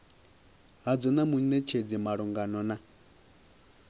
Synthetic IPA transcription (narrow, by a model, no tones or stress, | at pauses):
ɦad͡zɔnamunɛt͡ʃʰed͡zimaɺuŋɡanɔna